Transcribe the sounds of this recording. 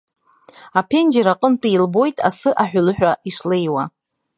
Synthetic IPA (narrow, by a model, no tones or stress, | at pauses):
apʰe̞nd͡ʒeɾaqʼəntʷʼijlbo̞jtʼa̰sɨʔaħʷᶣlɨħᶣaʔiʂlejwa